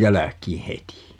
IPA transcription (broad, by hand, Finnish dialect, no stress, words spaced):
jælækˑiː heti